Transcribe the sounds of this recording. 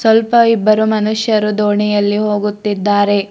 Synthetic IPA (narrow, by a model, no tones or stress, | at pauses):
sʋɐlpɐibːɐɾumɐnuʃjɐɾud̪oːɳijɐlːiɦo̞ːɡut̪ːid̪ːaːɾe̞